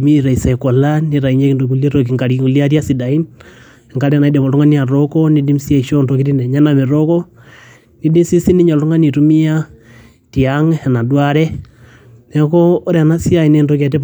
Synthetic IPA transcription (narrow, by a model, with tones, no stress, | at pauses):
mi˦ɾa˨i˨sa˨i˨kɔ˨la˦ni˦ɾa˨i˦ɲe˦ki˨ndo˨k̬u˨˦lje˦ɾo˨k̬i˨ŋka˨ɾŋu˨li˦a˦ɾja˦si˨da˨i˦n | ŋka˨˦ɾɛ˦˨na˨i˦dɛ˨mɔ˨u˦ŋa˦ni˦a˨ɾɔ˦kɔ˦ni˦di˦msi˦e˦˨ʃo˦nto˨ki˦ti˦nɛ˨ɲa˦na˨me˨ɾɔ˦kɔ˦ | ni˦di˦msi˦si˦ni˦ɲo˨ltu˦ŋa˦ni˨tu˦mi˦ja˦ | ti˨a˦ŋ˨na˨dwa˦ɾɛ˦ | nɛ˨˦kɔː˦ɾɛ˨na˦si˦a˨i˨ne˦nto˦kɛ˨t̬ɛ˦p